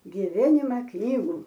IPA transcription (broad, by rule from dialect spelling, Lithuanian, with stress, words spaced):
ɡʲɪˈʋʲæːnʲɪmɐ ˈknʲiːɡuː